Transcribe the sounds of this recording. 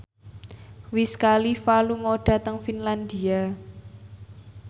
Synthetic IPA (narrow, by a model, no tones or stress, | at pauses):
wiskalifaluŋoɖ̥a̤t̪əŋfinland̪ia